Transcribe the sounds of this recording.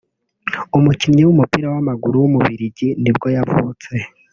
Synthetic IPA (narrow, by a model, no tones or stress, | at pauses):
umucimɲewumupiɾawamaɡuɾuwumuβiɾiɟinib̚ɡo̞javṵːt͡se